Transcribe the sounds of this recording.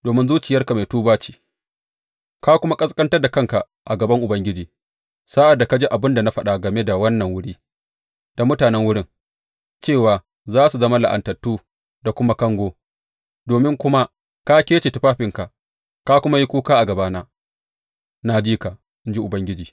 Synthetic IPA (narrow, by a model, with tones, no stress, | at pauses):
doː˨mɪ˦nzuː˦t͡ʃɪ˨jɐ˦rka˨ma˨jtuː˦baː˦t͡ʃi̥ː˨ | kaː˦kʷʊ˦ma˦kʼɐ˦skʼɐ˦ntɐ˦rda˨kɐ˦˨ŋka˨ | ʔa˨ɡɐ˨bɐ˦ŋʔʊ˨bɐ˦ŋɡʲɪ˦d͡ʒiː˨ | sa˦ʔa˨dːa˨ka˦d͡ʒeː˦ʔa˨bɪ˦nda˨na˦ɸɐ˦ɗa˨ɡɐ˨me˦da˨wɐ˦nːɐ˨ŋwʊ˦ɽiː˦ | d̥a˨mʊ˦taː˨nɛ˦ŋwʊ˦ɽɪ˦ŋ | t͡ʃeː˦˨waː˨ | zaː˦su˨zɐ˦ma˦la˨ʔa̰˨ntɐ˨tːuː˦ | da˨kʷʊ˦ma˦kɐ˦ŋɡʷoː˦ | doː˨mɪ˦ŋkʷʊ˦ma˦ | ka˦kʲeː˦t͡ʃe˨tɪ˦ɸaː˦ɸɪ˨ŋka˨ʔ | kaː˦kʷʊ˦ma˦ji˦kʷuː˦kaː˦ʔa˨ɡɐ˨baː˦naː˦ | naː˨d͡ʒiː˦ka˨ʔ | ʔɪ˦nd͡ʒi˦ʔʊ˨bɐ˦ŋɡʲɪ˦d͡ʒiː˨